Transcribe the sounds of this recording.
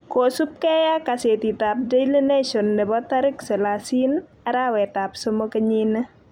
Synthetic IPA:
kosup̚kɛjakaset̪itap̚dejlenesɔnːɛbɔtaɾɪksɛlasin | aɾawɛtap̚somokɐɲinɐ

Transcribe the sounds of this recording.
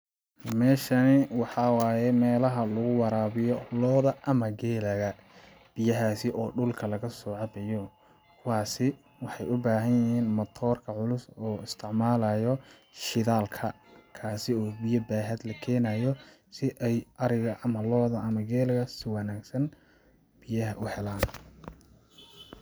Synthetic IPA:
mɛːʃɐnɪwɑħɑwaːjɛmɛːlɐɦɐlʊɣʊwɑɾaːβɪjɔlɔːðɐʔɐmɐɡɛːlɐɣɐ | b̥ɪjɐɦaːsɪʔɔːɖʊlkʰɐlɐɣɐsɔːʕɑbɛjɔ | kʰʊwaːsɪ | wɑħɑjʊbaːɦɐnjɪɦiːnmɐt̪ʰɔːrkʰɐʕʊlʊsɔːɪst̪ʰɪʕmaːlɐjɔ | ʃɪðaːlkʰɐ | kʰaːsɪɔːbɪjɐbaːɦɐd̪lɐkʰɛːnajɔ | sɪʔɛjɐɾɪɣɐʔɐmɐlɔːðɐʔɐmɐɡɛːlɐɣɐsɪwɑnaːɡsɐn | b̥ɪjɐɦɐʔʊhɛlaːn

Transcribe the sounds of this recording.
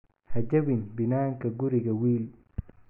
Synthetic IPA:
hɐd͡ʒɐbɪnbɪnaːŋkɐɡʊɾɪɡɐwiːl

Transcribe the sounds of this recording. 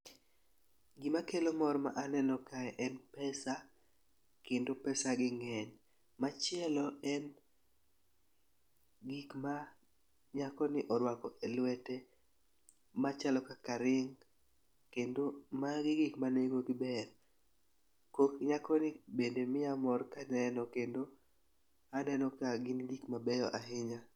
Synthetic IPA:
ɡimakelomɔɾma̰ʔanɛnɔkaɛʔɛnpɛsa | kendopɛsaɡɪŋɛɲ | mat͡ʃɪɛlɔɛn | ɡikma | ɲakɔnɪʔɔɾwakɔʔelwɛte | mat͡ʃalɔkakaɾɪŋ | kendomaɡɪɡɪkmaneɡoɡɪbɛr | kokɲakɔnɪbendemɪamɔrkanɛnɔkendo | anɛnɔkaɡɪndikmabɛjɔʔaɦɪɲa

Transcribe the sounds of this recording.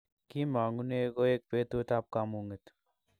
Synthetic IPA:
kimaːŋɡuneeɡoeːk̚peːt̪ot̪aːp̚kamũːŋɡet̪ʰ

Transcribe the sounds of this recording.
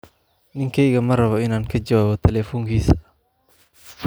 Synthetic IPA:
nɪŋkʰɛjɣɐmɐrɐβɔɪnaːŋkʰɐd͡ʒɐwaːβɔt̪ʰɛlɛːfɔːŋkʰiːsɐ̥

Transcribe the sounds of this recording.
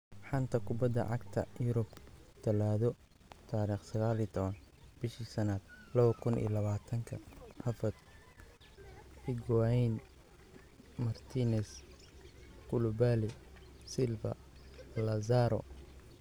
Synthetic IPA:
ħɑnt̪ʰɐkʰʊbɐd̪ːɐ̰ʕɑ̰ɡt̪ʰɐ̰jʊɾʊbt̪ʰɐlaːðɔ | t̪ʰaːɾiːχsɐɣaːlit̪ʰɔβɐnb̥ɪʃiːsɐnad̪̥lɐβɐkʰʊnḭːlɐβaːt̪ʰɐŋkʰɐhɐfɐt̪ | ɪɡajn | mɐrt̪ʰinɛs | kʊlʊbaːlisɪlfɐ̰ | lɐzaːɾɔ̰

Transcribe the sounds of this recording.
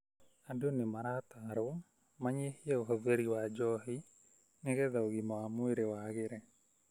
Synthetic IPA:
andonemaɾat̪aɾo | maɲehiaoɦɔðeɾiwad͡ʒɔɦi | neɣɛðaoɣimɔamweɾewaɣeɾɛ

